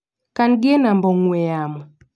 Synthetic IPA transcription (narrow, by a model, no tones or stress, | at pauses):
kanɡɛnambɔŋwɛjamɔ